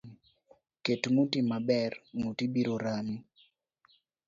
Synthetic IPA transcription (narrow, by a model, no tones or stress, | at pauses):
ketmutimabɛrmutibiɾoɾani